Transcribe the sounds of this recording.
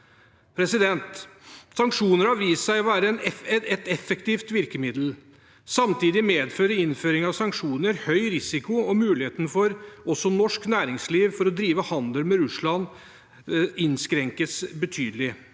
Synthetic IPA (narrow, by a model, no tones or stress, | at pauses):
pʰɾɛsɪd̪ɛnt̪sɑŋkʂuːnəɾhɑʋiːssæɪɔʋæːɾəɛnɛɛt̪ɛt̪ɛfːɛkt̪iːft̪ʋɪɾkəmɪd̪l̩ | sɑmt̪iːd̪ɪmeːd̪føːɾəɪnføːɾɪŋɑʋsɑŋkʂuːnəɾhœʏɾɪsɪkʊɔmʉːlɪheːt̪ənfɔɾɔsːɔnɔʂknæːɾɪŋsliːʋfɔɾɔd̪ɾiːʋəhɑnd̪əlmɛɾʉslɑn | ɪnskɾɛŋkəsbət̪ʰyːd̪əlɪ